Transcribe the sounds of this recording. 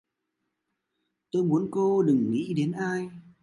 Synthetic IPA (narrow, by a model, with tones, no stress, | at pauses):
t̪o˧jmu˨˦ənko˧ɗɨ˨˩ŋːḭ˧˥ɗe˨˦nʔaː˧j